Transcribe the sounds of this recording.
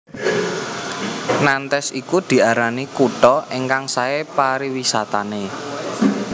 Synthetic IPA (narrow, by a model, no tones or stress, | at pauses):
nant̪ɛsikud̪̥i̤aɾanikuɖɔʔeŋkaŋsaepaɾiwisat̪ane